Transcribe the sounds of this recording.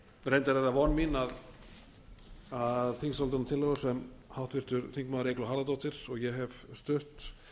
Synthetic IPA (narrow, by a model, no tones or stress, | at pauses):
rejnt̪aɾɛt̪avɔnminað | aðθiŋsalɪɾnat̪ʰɪlːɛɣsɛmhawht̪vɪr̥t̪ʏɾθiŋkmaːðʏɾejklɔɦaɾlðat̪ɔwht̪ɪɾ̥ɔɣjɛɦɛv̥st̪ʏht̪